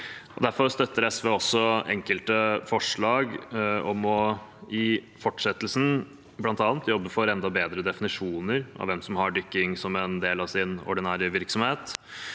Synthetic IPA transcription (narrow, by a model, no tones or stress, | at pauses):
ʔɔd̪æɾfɔɾst̪œt̪ːəɾɛsʋeːɔsːɔɛ̰ŋkəlt̪əfɔʂɭɑːɡɔmɔɪfɔʈːʂɛt̪ːlsn | blɑnt̪ɑːnt̪jɔbːəfɔɾɛnd̪ɑbeːd̪ɾəd̪ɛfɪnɪʂuːnəɾʔɑ̰ʋɛmsɔmhɑɖʏkːɪŋsɔmɛnd̪eːlɑʋsɪnɔ̰ɖɪnæːɾəʋɪɾksɔmheːt̪